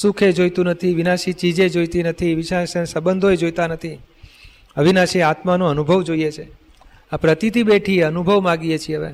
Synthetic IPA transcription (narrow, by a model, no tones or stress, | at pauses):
sukʰed͡ʒojt̪ũnət̪ʰiʋinaʃit͡ʃid͡ʒed͡ʒojt̪inət̪ʰiʋiʃaʃəsəbənd̪ʱoed͡ʒojt̪anət̪ʰi | əʋinaʃiat̪manõənubʱəʋd͡ʒoijet͡ʃʰe | apɾət̪it̪iɓeʈʰieənubʱəʋmãɡiet͡ʃʰieəʋḛ